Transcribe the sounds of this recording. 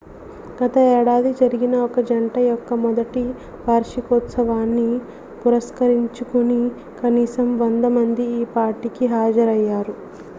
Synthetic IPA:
ɡ̥ɐt̪ɐɛːɽaːd̪id͡ʒɐɾiɡinɐɔkɐd͡ʒɐɳʈɐjɔkːɐmɔd̪ɐʈi | ʋaːɾʂikɔt̪sɐʋaːnːi | puɾɐskɐɾiɲt͡ʃukuni | kɐniːsɐmʋɐnd̪ɐmɐnd̪iiːpaːɾʈikiɦaːd͡ʒɐɾɐjːaːɾu

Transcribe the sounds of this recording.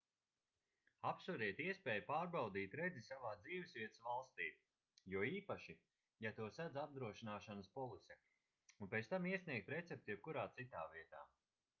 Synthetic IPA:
apsuɾiɛt̪iɛspɛːjupaːɾbawd̪iːt̪ɾɛd̪zisavaːd̪ziːvɪsvʲiɛt̪svalˠst̪iː | juɔiːpaʃi | jat̪uɔsad̪zab̚d̪ɾuɔʃinaːʃanəspɔlˠisʲɛ | unpɛt̪t̪amiɛsniɛk̚t̪ɾɛt̪sɛp̚t̪ujɛb̚kuɾaːt̪sit̪aːviɛt̪a̰ː

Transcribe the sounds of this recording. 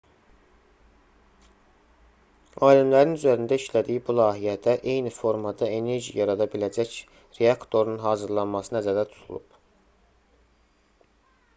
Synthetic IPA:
ɑːlimlæɾinyzæɾind̪æiʃlæd̪ijibulˠɑːɦijæd̪æʔe̞jnifo̞ɾmɑd̪ɑe̞ne̞ɾʒḭjɑɾɑd̪ɑbilæd͡ʒæc | ɾe̞ɑkt̪ʰo̞ɾunɦɑːzɯɾlˠɑnmɑsɯnæzæɾd̪æt̪ʰu̥t̪ʰṵlˠṵb̥

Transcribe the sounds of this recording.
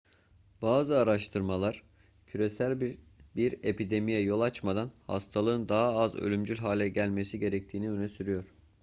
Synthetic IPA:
baːzɯaɾaʃt̪ʰɯɾmalˠaɾ̥ | cʰyɾe̞sælʲb | biɾe̞pid̪e̞mijɛjo̞lˠat͡ʃmad̪anha̰st̪ʰalˠɯːɯnd̪aɦaːzø̰lʲymd͡ʒylʲɦaːlʲɛɟælʲme̞siɟe̞ɾɛc̚t̪ʰiːniønɛsyɾyjo̞ɾ̥

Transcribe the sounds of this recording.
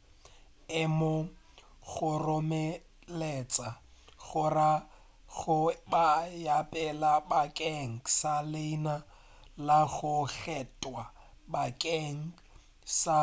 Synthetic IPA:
ɪmo | ɣʊrʊmɛ | let͡sʼa | ɣʊra | ɣʊbajapʼɛlabakʼɛŋ̩saleina | laɣʊɣɛtʼwa | bakʼɛŋ̩ | sa

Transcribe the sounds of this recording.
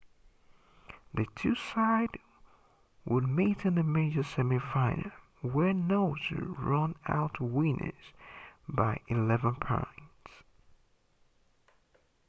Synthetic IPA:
ðɨtʰʉsaɪd | wəd̚miɾɨ̃nðɨmeɪd͡ʒə˞sɛmifãɪ̃nə˞ | wə˞noʊzə̰ɹʌ̃na̰ʊtʰwĩnʔɨ̰z̥baɪʔɨlɛvə̃npʰã̰ɪ̃ndz̥

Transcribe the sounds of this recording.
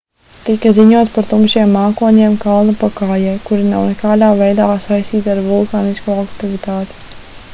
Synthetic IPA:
t̪ikɐziɲuɔt̪spaɾt̪umʃiɛmːaːkuɔɲeɛmkalˠnɐpakaːjɛjkuɾinawnɛkaːd̪aːvɛjd̪aːsajst̪iːt̪ʲaɾvulˠkaːniskuːakt̪ivit̪aːt̪i̥

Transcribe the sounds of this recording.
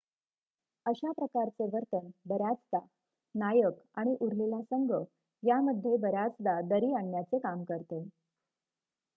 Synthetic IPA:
əɕapɾəkaɾt͡seʋəɾt̪ənbəɾad͡zd̪a | najəkaɽ̃iʔuɾlelasəŋɡə | jaməd̪ʱːjebəɾad͡zd̪ad̪əɾiːaɳːjat͡sekamkəɾt̪e

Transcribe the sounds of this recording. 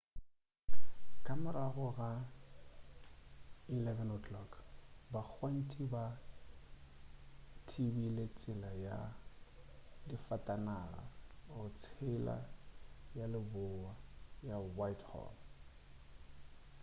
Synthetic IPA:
kʼamɛraɣʊɣa | ilɛvɛnokʰlɔkbak͡xʰwan̩tʰʼiba | tʰibilet͡sʼɪlaja | difatʼanara̰ɔt͡sʰɪla̰ | jalɪbʊwajawajthɔ̰ːl

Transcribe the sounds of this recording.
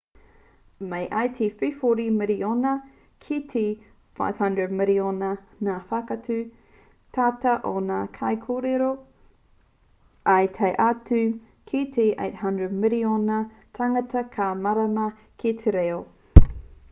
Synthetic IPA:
mejʔajtʰififoɾimɪɾionɐ | kʰitʰe | fa̰jv̥hɐ̃ndɹəd̚mɪlionɐ | naːfakɐtʉ | tʰaːtɐʔonaːkʰɐjkʰoːɾeɾo | ʔɐjt̪ʰɐjʔatʉ | kʰitʰeʔḛjt̚hɐ̃ndɹəd̚mɪlionɐ | tʰɐŋɐtɐkʰamɐɾɐmɐ | kʰetʰeɾeo

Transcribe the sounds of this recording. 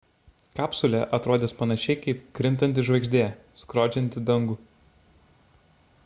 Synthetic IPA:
kɑːpsʊlʲɛʔɐt̪ɾoːd̪ʲeːspɐnɐʃʲɛɪkɐɪp̚kɾʲɪnˑt̪ɐnʲt̪ʲɪʒʋɐɪɡʒʲd̪ʲeː | skɾoːd͡ʒʲɛnʲt̪ʲɪd̪ɐŋɡʊ

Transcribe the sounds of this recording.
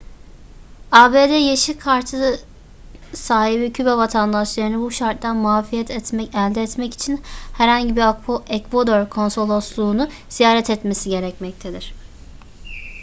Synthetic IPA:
aːbeːd̪ɛjeʃikʰaɾt̪ʰɯ | saːhibicʰybɛvat̪ʰand̪aʃlˠaɾɯnɯbuʃaɾt̪d̪ænmuaːfijɛt̪ʰɛt̪mɛɛlʲd̪ɛːt̪mɛci̥t͡ʃʰinhæɾhaɲɟibiakɛkvod̪oɾkʰo̞nso̞lˠoslˠuːnu | z̥ijaːɾɛt̪ʰɛt̪mesiɟe̞ɾɛcmɛc̚t̪ʰed̪iɾ̝̥

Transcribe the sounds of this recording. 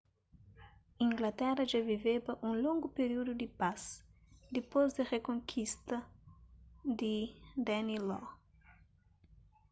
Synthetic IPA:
ĩŋɡlɐt̪ɛɾɐʒavivebɐʔũlõŋɡʊpeɾiud̪ud̪ipas | d̪ipozd̪ɐrekõŋkʰist̪ɐ | d̪id̪ɛnilɔ

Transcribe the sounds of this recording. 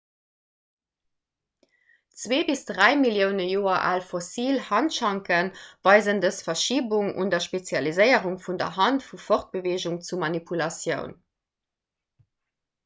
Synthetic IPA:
t͡sweːbisd̥ʁæɪmiljəʊnəjoːɐʔa̰lfosiːlhɑntʃɑŋkənvɑɪzəndəsfɐʃiːbuŋṵndɐʃpet͡sjɑlizəɪəʁuŋfundɐ̰ɦɑntfufoχt̚b̥əveːʑuŋt͡sumɑnipʰulɑsjəʊn

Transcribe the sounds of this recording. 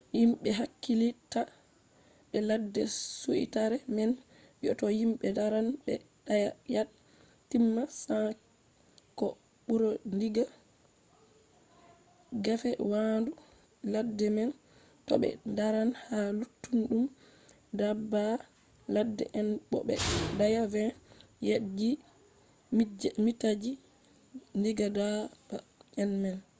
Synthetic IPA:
jimɓɛɦakːilita | ɓɛladːɛsuʔḭtaɾɛmɛn | jɔ̰tɔhimɓɛdaɾanɓɛ̰ | ɗajajaɗ | tːimːasa | kɔ | ɓuɾɔndiɡa | ɡafɛwandu | ladːɛmɛn | tɔ̰ɓɛ̰ndaɾanhalutːunɗum | daba | ladːɛ̰ʔɛnɓɔ̰ɓɛ̰dajavɛ | jad͡ʒi | mmitad͡ʒi | ndiɡadaba | ɛnmɛn

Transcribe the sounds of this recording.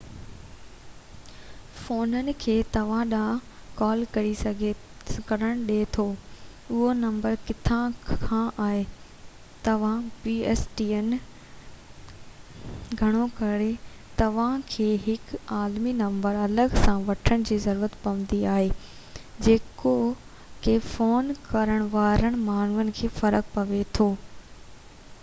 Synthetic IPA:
foːnənɪ̆kʰeːt̪ɐʋ̤ãɗãkɔːlkɐɾisɐɡʱe | kɐɾəɽ̃ɗet̪ʰoː | ʊɦonɐ̃mbəɾkɪt̪ʰãkʰãʔaːɦe | t̪ɐʋ̤ãpiːɛːsʈiːən | ɡʱɐɽ̃okɐɾe | t̪ɐʋ̤ãkʰeːɦɪkaːlminɐ̃mbəɾɐləɡsãʋɐʈʰəɽ̃̆d͡ʑiːzɐɾuːɾət̪pɐʋə̃n̆d̪iaːɦeː | d͡ʑeːko | kefoːnkɐɾəɽ̃ʋaːɾəɽ̃̆maːn̤uʋənɪ̆kʰeːfɐɾək̚pɐʋet̪ʰoː

